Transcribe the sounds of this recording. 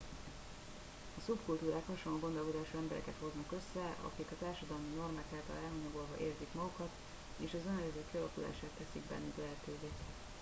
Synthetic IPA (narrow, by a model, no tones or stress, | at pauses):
ɒsubkult̪uːɾaːkhɒʃolːoːɡo̞nd̪o̞lko̞d̪aːʃuːɛmbɛɾɛ̰kɛt̪ho̞znɒkø̞sːɛʔɒ̰kikɒt̪aːrʃɒd̪ɒlmino̞rmaːkaːlt̪ɒ̰lɛlɦɒɲɒɡolɦɒʔeːrzikmɒɡukɒt̪ | eːʃɒzønɾɛzɛk̪kiɒlɒkula̰ːʃaːt̪ːɛsiɡbɛ̰nːyklɛɦɛt̪øːveː